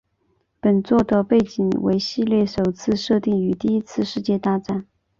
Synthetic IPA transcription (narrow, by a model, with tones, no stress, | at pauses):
pə˨˩nt͡swɔ˥˩d̪ə˩pe˥˩ɪt͡ɕi˨˩ŋwḛ˧˥ɪɕi˥˧ljɛ˥˩ʂo˨˩ʊt͡sʰɹ̩˥˧ʂɤ˥˧t̪i˥˩ŋy˧˥t̪i˥˧i˥t͡sʰɹ̩˥˧ʂɻ̩˥˧t͡ɕjɛ˥˧t̪a˥˧ʈ͡ʂa˥˩n